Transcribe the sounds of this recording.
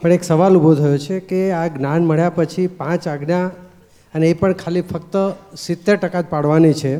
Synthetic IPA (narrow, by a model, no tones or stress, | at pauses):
pəɳeksəʋalubʱot̪ʰəjot͡ʃʰekeaɡnanməɭjapət͡ʃʰipãt͡ʃaɡnja | əneːpəɳkʰalifʰək̚t̪əsɪt̪ːeɾʈəkad͡ʒpaɽʋanit͡ʃʰe